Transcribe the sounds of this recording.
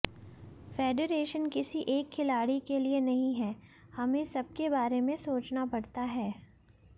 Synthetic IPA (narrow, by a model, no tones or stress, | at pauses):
feːɖeɾeːʃənkɪsiʔeːkʰːɪlaːɽikelienɐɦĩɦɛːhɐmẽsɐb̚kebaːɾemẽsoːt͡ʃnapɐɽt̪aɦɛː